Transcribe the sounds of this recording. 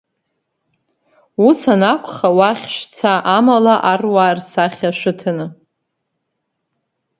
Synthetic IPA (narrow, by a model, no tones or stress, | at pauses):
usanakʷʰχawaχʲʃʷᶣt͡sʰaʔamalaʔarwarsaχʲaʃʷᶣɨtʰanɨ